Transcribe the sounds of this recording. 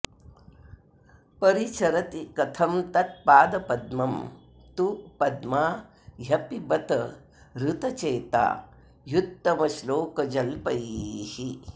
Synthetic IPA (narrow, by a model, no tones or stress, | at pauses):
pɐɾit͡ʃʰɐɾɐt̪ikɐt̪ʰɐmt̪ɐt̪̚paːd̪ɐpɐd̪mɐm | t̪upɐd̪maː | jɐpibɐt̪ɐ | ɾut̪ɐt͡ʃeːt̪a̰ː | jut̪ːɐmɐʃloːkɐd͡ʒɐlpɐjihi